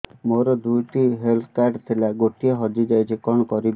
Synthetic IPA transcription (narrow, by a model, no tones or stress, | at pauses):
moɾɔd̪uʈiɦelt̪ʰkaɾɖt̪ʰilaɡoʈieɦɔd͡ʒid͡ʒajt͡ʃʰikɔɽ̃ɔkɔɾib